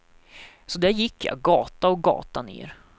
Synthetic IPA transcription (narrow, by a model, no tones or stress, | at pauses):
sɔd̪æɾjɪkːjɑ̰ːɡɑːt̪aɔɡɑ̰ːt̪anḛːɾ